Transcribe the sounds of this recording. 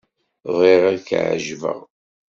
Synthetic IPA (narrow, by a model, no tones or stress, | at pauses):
ðˤiʁaðkʕ̰ʒvə̰ʁ